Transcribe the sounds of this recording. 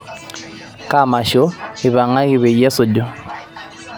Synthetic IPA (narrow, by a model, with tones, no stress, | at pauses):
ka˦˨ma˨ʃo˦i˨βa˨ŋa˦ɣi˦βɛ˨jɛ˦so˨do˦